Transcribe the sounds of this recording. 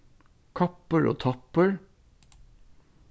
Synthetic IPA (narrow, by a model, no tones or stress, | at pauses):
kʰɑpəɹʔo̰ːt̪ʰɑpəɹ